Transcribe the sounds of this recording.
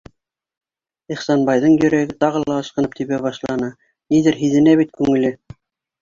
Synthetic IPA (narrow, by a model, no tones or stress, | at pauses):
iχsɑnbɑjðɤɴjɵ̆ɾæɡɘt̪ɑʁɤ̆lˠɑɤ̆ʃqɤ̆nɤp̚t̪iβæβɑʃlˠɑnɤ | niðɘɾɦiðɘ̆næβit̪̚kʉŋɘ̆lɘ